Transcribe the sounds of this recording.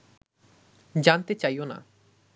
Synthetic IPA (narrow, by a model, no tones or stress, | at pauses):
d͡ʑant̪et͡ɕajona̰